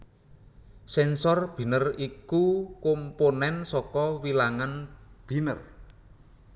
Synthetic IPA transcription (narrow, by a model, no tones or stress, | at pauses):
sɛnsɔrb̥i̤nərikukomponɛnsɔkɔwilaŋanb̥i̤nər